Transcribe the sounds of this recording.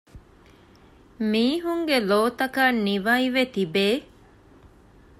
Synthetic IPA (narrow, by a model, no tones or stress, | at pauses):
miːɦuŋɡeloːt̪ɐkaːnːiʋɐiʋet̪ibeː